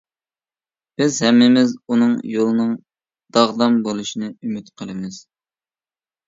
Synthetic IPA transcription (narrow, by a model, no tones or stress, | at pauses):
b̥ɪzhɛmːɪmɪzunɨŋjolˠɨnɨŋ | d̪ɑʁd̪ɑmbolˠuʃinɨymyt̪qʰəlˠɨmɪz̥